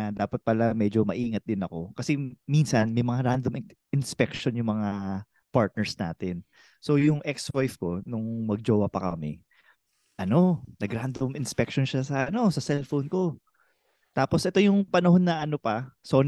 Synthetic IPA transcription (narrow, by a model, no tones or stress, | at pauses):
d̪aːpɐt̪̚pɐlamɛd͡ʒo̞mɐʔiːŋɐt̪̚d̪ɪnɐko̞kɐsɛminsɐnmɐjmɐŋaɾand̪om | ɪnspɛkʃonjʊŋmɐŋa | paɹt̪̚nɛɹsna̰ːt̪ɪn | so̞jʊŋʔɛkswojfko̞nʊŋmɐɡ̚d͡ʒoːwɐpɐkɐmɪ | ʔɐno̞nɐɡɾand̪omɪnspɛk̚ʃonʃasɐʔɐno̞sɐsɛlfownko̞ | t̪aːpo̞sʔɛt̪o̞jʊŋpɐnɐɦo̞nːɐʔɐno̞pɐso̞n